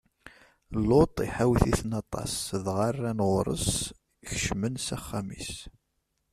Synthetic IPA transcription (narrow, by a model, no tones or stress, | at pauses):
lot̪ˤiħawθiθnɑt̪ˤɑ̰sðʁɑrːænʁʊɾˤə̰s | çəʃmənsæχːæmḭs